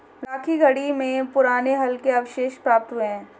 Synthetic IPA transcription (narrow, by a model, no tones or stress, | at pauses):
ɾaːkʰiɡɐɽimẽpʊɾaːneɦɐlkeɐʋʃeːʃpɾaːp̚t̪ɦʊeɦɛ̃ː